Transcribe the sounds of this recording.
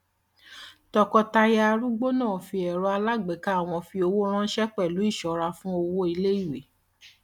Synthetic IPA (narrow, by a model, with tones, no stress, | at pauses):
tɔ˧kɔ˧ta˧ja˧ɾu˦ɡ͡bo˦nãː˦˨fi˧ɛ˨ɾɔ˧a˧la˦˨ɡ͡bɛ˨ka˨˦a˦˨w̃ɔ̃˧fi˧o˧wo˦ɾ̃ã˦ʃɛ˦k͡pɛ˦˨lu˨˦i˦˨ʃɔ˨ɾa˧fũ˦o˧wo˦i˧le˦i˦˨we˨˦